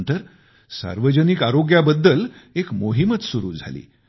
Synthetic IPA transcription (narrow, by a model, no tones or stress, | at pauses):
nt̪əɾ | sa̰ɾʋəd͡ʑənikaɾoɡjabəd̪ːəlekmoɦimət͡ssuɾṵːd͡zʱa̰lḭː